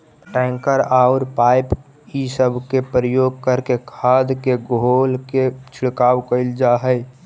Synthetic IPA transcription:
ʈɛ̃ːŋkəɾaʊɾpaɪp | isəbʱkepɾəjoːɡ̚kəɾkekʰad̪keɡolket͡ʃʰɪɽkaːwkəɪld͡ʒaɦə

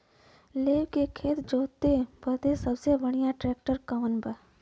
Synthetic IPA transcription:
leːʋkekʰeːt̪d͡ʒoːt̪ːebət̪esəbsebəɽijãʈɾɛːk̚ʈəɾkəʋənbə

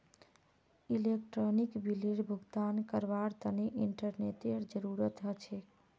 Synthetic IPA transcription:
ilek̚ʈɾonikbiliɽbʱuɡt̪ankəɾbaɾt̪əneʔiɳʈəɾneʈeɾd͡ʒəɾuɾət̪ɦət͡ʃʰɛ

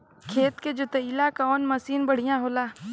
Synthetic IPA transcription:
kʰeːt̪ked͡ʒʊt̪eiːlakaɔːnməsiːnbəɽ̤ijãɦoːlaː

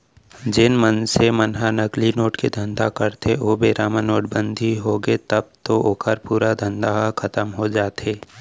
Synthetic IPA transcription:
d͡ʒɪnmənsemənɦanɐklinoːʈked̪ʱə̃nd̪akəɾt̪ʰeobeːɾaːmənːoːʈbə̃nd̪ʱiɦoɡet̪ɐb̚t̪oʔokʰəɾpuːɾad̪ʱə̃nd̪aɦkʰɐt̪əmɦod͡ʒaːt̪eː

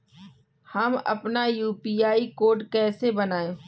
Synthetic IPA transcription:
hɐmɐ̰pnajuːpiːaːikoːɾʈkɛːsebɐnaːẽː

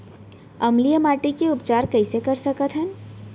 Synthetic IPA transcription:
ɐmlijəmaːʈikeʊpt͡ʃaːɾkəɪsekəɾsəkət̪ɦən

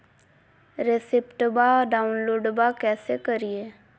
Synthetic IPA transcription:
ɾesɪpʈbaːɖaːunloːɖbaːkɛːseːkəɾieː

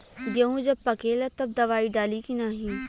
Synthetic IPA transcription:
jɐɦũd͡ʒɐb̚pɐkelɐt̪ɐb̚d̪ɐʋaːiɖaːlikinaɦĩ

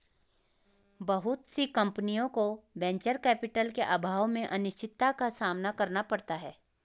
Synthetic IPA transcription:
bɐɦʊt̪sikɐ̃mpənijõkobɛ̃ːɲt͡ʃəɾkɛːpɪʈəlkeʔabʱaːʋmẽʔɐnɪʃt͡ʃɪt̪ːakasaːmnakɐɾnapɐɽt̪aɦɛː

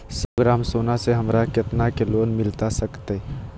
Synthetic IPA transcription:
səɡɾaːmsoːnaseɦəmɾakɪt̪nakeloːnmɪlt̪asəkt̪e

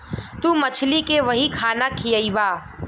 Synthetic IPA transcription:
t̪uːmət͡ʃʰlikeʋəɦikʰaːnakʰijəibaː

